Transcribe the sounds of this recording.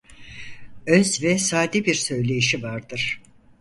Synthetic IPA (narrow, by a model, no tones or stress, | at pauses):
ønsivɛsaːd̪ibiɾsø̞jlʲe̞jiʃivaɾd̪ɯɾ̥